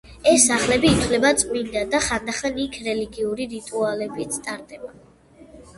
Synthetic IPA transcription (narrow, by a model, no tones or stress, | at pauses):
ɛsaχlɛbiːt̪ʰwlɛbat̪sʼmild̪ad̪aχand̪aχanikʰɾɛliɡiuɾiɾit̪ʼualɛbit̪sʰt̪ʼaɾd̪ɛba